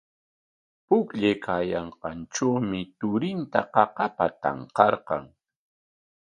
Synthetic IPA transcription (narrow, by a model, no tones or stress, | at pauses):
pʊkʎejkʰaːjɑɴqɑnʈ͡ʂawmɪt̪ʊɾɪnt̪aqɑqɑpat̪ɑ̰ɴqɑɾqɑ̰ŋ